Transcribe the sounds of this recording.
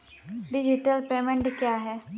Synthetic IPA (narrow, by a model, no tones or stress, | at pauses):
ɖɪd͡ʒiʈəlpeːmẽɳʈkjaːɦɛː